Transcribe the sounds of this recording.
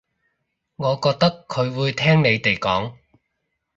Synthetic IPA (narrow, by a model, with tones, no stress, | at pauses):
ŋɔː˨˧kɔː˧k̚t̪ɐ˥kʰːɵ˨˧ɥwuː˨˧jt̪ʰɛː˥ŋne˨˧jt̪e˨jkɔ̰ː˨˥ŋ